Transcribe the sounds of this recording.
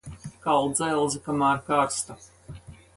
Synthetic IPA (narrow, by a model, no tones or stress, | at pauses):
kalˠd̪zajlˠzikamaːɾkaːɾst̪a